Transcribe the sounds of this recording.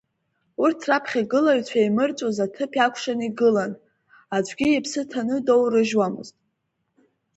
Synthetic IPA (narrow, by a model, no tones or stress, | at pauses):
urtʰrapʰχʲaɡɨlajɥt͡ɕʷʰajmɨrt͡sʷʼozatʰɨpʰakʷʰʂaniɡɨlan | ad͡ʒʷʰʼɡʲiipʰsɨtʰanɨdo̞wrɨʒwamɨ̰ztʼ